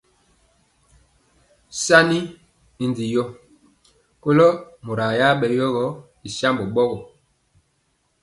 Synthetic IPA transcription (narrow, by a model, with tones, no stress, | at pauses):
sa˦ni˦ | i˨ndi˨jɔ˦ | ko˦lo˦mo˨ɾa˨ja˦ɓɛ˨jɔ˦ɣɔ˦ | i˨sa˦mbɔ˨ɓɔ˦ɣɔ˨